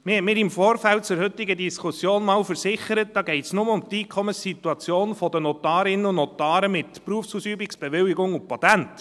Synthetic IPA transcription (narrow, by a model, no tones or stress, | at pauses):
mɪhɛtmɪːɾɪmfoːɾfælt̚t͡sʊɾhɵt̪ːɪɡədiskʰusjoːnmɑːlfəɾsɪχəɾət̚d̥ɑːɡɛɪtsnʊməʊmt̪iːkʰɔməsːit̪ːuɑt͡sjoːnfɔdənɔtɑːɾɪnənʊnnɔt̪ɑːɾəmɪtpruəfsuːsyːbiksb̥ɛʋɪlɪɡʊŋʊpɑt̪ænt